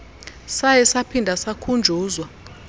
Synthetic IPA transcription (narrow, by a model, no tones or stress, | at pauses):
sajɛsapʰindʱasakʰund͡ʒʱuːzwa